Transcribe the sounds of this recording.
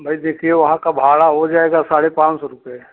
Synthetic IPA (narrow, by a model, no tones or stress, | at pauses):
bʱɐid̪eːkʰieʋɐɦãkabʱaːɭaɦod͡ʒaːeːɡasaːɽepãːt͡ʃsɔɾʊpee